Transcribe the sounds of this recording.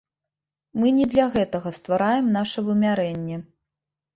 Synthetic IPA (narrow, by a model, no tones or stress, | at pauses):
mɨnʲɛd̪lʲaɣɛt̪ɐɣɐst̪vaɾajɛmnaʂɐvɨmʲaɾɛnʲːɛ